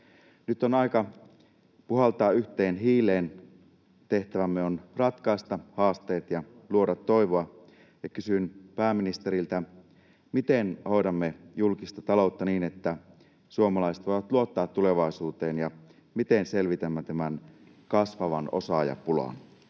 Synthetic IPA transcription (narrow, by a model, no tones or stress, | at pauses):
nyt̪ːonɑikɑ | puɦɑlt̪ɑːyht̪eːnɦiːleːn | t̪eht̪æʋæmːeonrɑt̪kɑist̪ɑhɑːst̪e̞ːt̪jɑluodɑt̪ːo̞jʋoɑ | jɑkysynpæːmːinist̪eɾilt̪æ | mit̪enhoidɑmːejulkist̪ɑt̪ɑlout̪ːɑniːnet̪ːæ | suomɑlɑiset̪ʋojʋɑt̪luot̪ːɑːt̪tːuleʋɑisuːt̪eːnjɑ | mit̪enselʋit̪æmːæt̪æmæn | kɑsʋɑʋɑ̰no̰sɑjɑ̰pulɑ̰n